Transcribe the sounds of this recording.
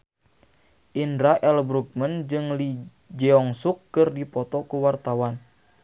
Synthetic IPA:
ʔindɾaʔɛlbɾuk̚mənd͡ʒɨŋli | d͡ʒɛɔŋsukːɨrdipɔt̪ɔkuwart̪awan

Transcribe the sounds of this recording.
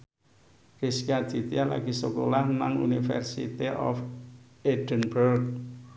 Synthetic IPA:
riskiḁd̪̥it̪iala̰ɡ̥i̤sokolahnaŋṵnifɛ̰rsḭt̪iʔɔ̰f | ed̥ənbərk̚

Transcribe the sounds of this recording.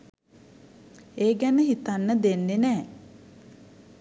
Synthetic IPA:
eːɡænəɦit̪anːəd̪enːenɛː

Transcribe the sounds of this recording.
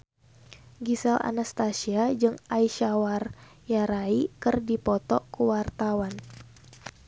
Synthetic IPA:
ɡisɛla̰nast̪asiad͡ʒɨŋaiʃawar | jaɾaikɨrdipɔt̪ɔkuwart̪awan

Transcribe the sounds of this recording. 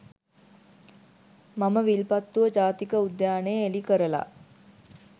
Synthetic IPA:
maməʋilpat̪ːuʋəd͡ʒaːt̪ikəud̪jaːnejəelikəɾəla̰

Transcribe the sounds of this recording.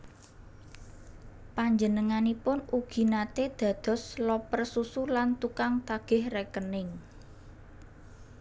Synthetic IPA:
paɲd͡ʒənəŋanipʊnuɡ̥i̤nat̪ed̪̥ä̤d̪̥ɔ̤slɔpərsusulant̪ukaŋt̪aɡ̥ɪ̤hrekənɪŋ

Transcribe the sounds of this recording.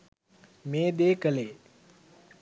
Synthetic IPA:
meːd̪eːkəleː

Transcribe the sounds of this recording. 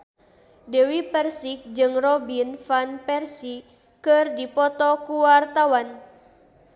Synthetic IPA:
dɛwipɛrsik̚d͡ʒɨŋrɔbinfanpɛrsi | kɨrdipɔt̪ɔkuwart̪awan

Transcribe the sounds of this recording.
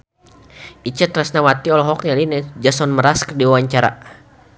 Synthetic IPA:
ʔit͡ʃət̪rasnawat̪iɔlɔɦɔk̚nalinɛd͡ʒasɔnməɾaskərdiwawaɲt͡ʃaɾa̰

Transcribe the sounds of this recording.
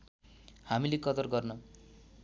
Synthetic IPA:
hamilekʌt̪ʌrɡʌrnʌ

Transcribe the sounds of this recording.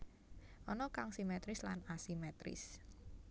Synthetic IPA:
ʔɔnɔkaŋsimɛt̪ɾɪslanasimɛt̪ɾɪ̰s

